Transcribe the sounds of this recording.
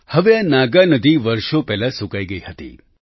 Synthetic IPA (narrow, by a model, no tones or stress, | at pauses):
həʋeanaɡanəd̪ʱiʋəɾʃopɛɦlasukaiɡəihət̪ḭ